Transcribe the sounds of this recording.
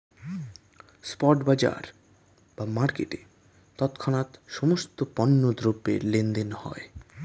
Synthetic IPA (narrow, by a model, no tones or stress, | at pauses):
spɔʈbad͡ʑa̰ɾ | b̥amaɾkeʈe | t̪ɔt̪kʰɔnat̪ʃɔmost̪opɔnːod̪ɾobːḛɾlend̪enhɔ̰e